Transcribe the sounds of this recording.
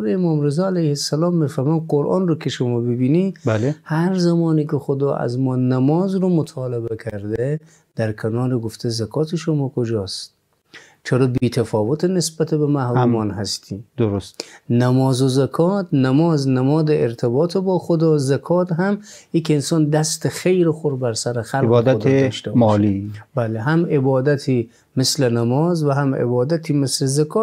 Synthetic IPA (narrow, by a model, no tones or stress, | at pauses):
ɾeemɒːmɾezɒːælæjhesːælɒːmːifæɾmæːnqoɾʔɒ̰ːnrokʰeʃomɒːbebiːniblhæɾzæmɒːniːkʰexod̪ɒːʔæ̰zmɒːnæmɒːzɾomot̪ʰɑːlebekʰæɾd̪e | d̪̥æɾkʰenɒːɾeɡoft̪ʰezækʰɒːt̪ʰeʃomɒːkʰod͡ʒɒːstt̪ | t͡ʃʰeɾɒːbiːt̪ʰæfɒːvot̪ʰenesbæt̪ʰebemæhɾumɒːnɦæst̪ʰiːd̪oɾosnæmɒːzozækʰɒːt̪næmɒːznæmɒːd̪eeɾt̪ʰebɒːt̪ʰebɒːxod̪ɒːzækʰɒːt̪ɦæm | jikensɒːnd̪æst̪exejɾexoɾbæɾsæɾexælɡbɒːd̪æod̪ʰeʃt̪ebmɒːlibæleɦæmebɒːd̪æt̪ʰiː | meslenæmɒːzvæɦæmḛbɒːd̪æt̪ʰiːmeslezækʰɒːt̪